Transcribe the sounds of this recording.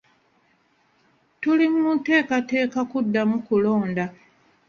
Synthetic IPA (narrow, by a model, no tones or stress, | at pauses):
tulimumute̞ːkate̞ːkakudːamukulo̞ːnda